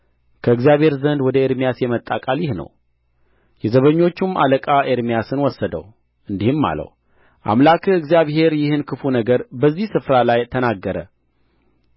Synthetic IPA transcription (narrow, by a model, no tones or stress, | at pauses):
kʰəɨɡzijaβhe̞ɾzənd̪wɔd̪əeɾmijasjɛmət̪ʼːakʼaljɪhnə̰w | jɛzəβəɲːo̞t͡ʃːuma̰ləkʼaʔeɾmijasɨnwɔsːəd̪ə̰w | ʔɨnd̪ihɨmːa̰lə̰w | ʔa̰mlakʰɨɡzijaβhe̞ɾjɪhɨnkʰɨfunəɡəɾbəzːihsɨfɾalajt̪ʰənaɡːəɾə